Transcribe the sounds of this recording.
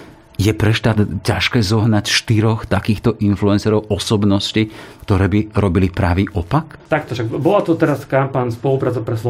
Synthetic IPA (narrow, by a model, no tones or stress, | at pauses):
jɛpɾɛʃt̪aːd̪caʃkɛːzɔɦnacʃt̪iɾɔxt̪akiːxt̪ɔʔinfluɛnsɛɾɔʊʔɔsɔbnɔscikt̪ɔɾɛːbiɾɔbilipɾaʋiːʔɔpakt̪ak̚t̪ɔʃaɡbɔlat̪ut̪ɛɾaskampaɲspɔlupɾaːt͡sɔʊpɾɛslɔ